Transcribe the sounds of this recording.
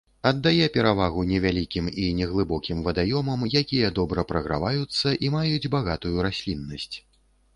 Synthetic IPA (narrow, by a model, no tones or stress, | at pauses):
ɐd̪ːajɛpʲɛɾavaɣunʲɛvʲalʲikʲiminʲɛɣlˠɨbɔkʲimvɐd̪ajɔmɐmjakʲijɐd̪ɔbɾɐpɾɐɣɾa̰vajut̪sːɐʔimajud͡zʲbaɣat̪ujuɾasʲlʲinːɐsʲt͡sʲ